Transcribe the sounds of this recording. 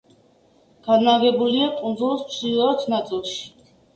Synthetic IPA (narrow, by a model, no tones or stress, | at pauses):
ɡ̥ad̪naɡɛbuliakʼund̪zulˠsmsilˠɔat̪ʰnat̪sʼilˠʃi̥